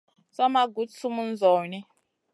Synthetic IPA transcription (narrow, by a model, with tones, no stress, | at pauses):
sa˦ma˦ɡu˨˦tsu˦mu˦n˦zɔː˨nɛ˦